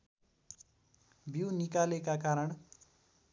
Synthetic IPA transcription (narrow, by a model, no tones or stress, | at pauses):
biwnikalekakaɾʌɳ